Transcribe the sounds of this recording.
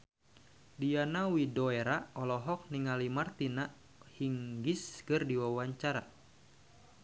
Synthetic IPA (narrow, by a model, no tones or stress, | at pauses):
dianawidɔeɾaɔlɔɦɔk̚niŋalimart̪inaʔ | hiŋɡiskɨrdiwawaɲt͡ʃaɾa